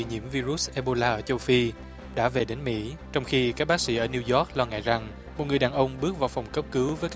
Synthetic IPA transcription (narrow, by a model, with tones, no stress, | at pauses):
ḭ˧˨ɲḭ˧˥əmvi˧zu˦˥s̚ʔɛ˧ɓo˧laː˧ʔəː˧˩t͡ɕə˧wfi˧ | ɗa̰ː˧˥ve˨˩ɗe˨˦nmḭ˧˥t͡ɕɔ˧wŋ͡mxi˧kaː˦˥k̚ɓa˦˥sḭ˧˥ʔəː˧˩ni˧wzɔ˦˥k̚lɔ˧ŋa̰˧˨jza˨˩ŋ | mo˨˩t̚ŋɨ˨˩əjɗaː˨˩nʔə˧wŋ͡mɓɨ˦˥ək̚vaː˨˩wfɔ˨˩wŋ͡mkə˦˥p̚kɨ˨˦wvəː˨˦jkː